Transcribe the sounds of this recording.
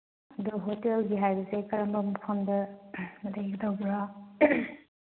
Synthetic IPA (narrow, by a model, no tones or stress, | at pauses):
duɦotelɡiɦajbɐsekɐɾɐmbɐmukʰɐmdɐmɐdeɡdɐwbɾa